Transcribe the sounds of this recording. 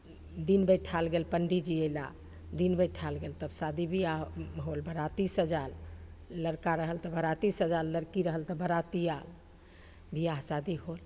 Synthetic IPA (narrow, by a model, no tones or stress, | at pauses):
d̪inbəʈʰalɡelpəɳɖid͡ʒiela̰ | d̪inbəʈʰalɡelt̪əbsad̪ibʱiaɦolbʱəɾat̪isɦəd͡ʒaɾləɾkaɾəɦəlt̪əbʱəɾat̪isɦəd͡ʒaɾləɾkiɾəɦəlt̪əbʱəɾat̪ijal | bʱiaɦsad̪iɦol